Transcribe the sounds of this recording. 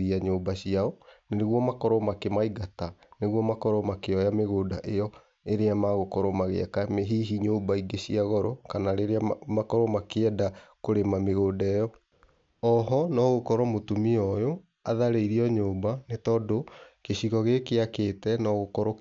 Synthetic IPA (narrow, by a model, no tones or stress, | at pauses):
ɾiaɲoːbaɕiaɔneneɣwɔmakɔɾɔmakemaiɡataneɣwɔmakɔɾɔmakeɔjameɣoːdaʔejɔ | eɾeamaɣokɔɾɔmaɣḛa̰kameɦiɦiɲoːbaiɡeɕiaɣɔɾɔkanaɾeɾeamakɔɾɔmakeɛdakoɾemameɣoːdɛjɔ | ɔɦɔnɔɣokɔɾɔmotumiɔjo | aðaɾeiɾiɔɲoːbanetɔːdokeɕiɣɔɣekeakeːtɛnɔɣokɔɾo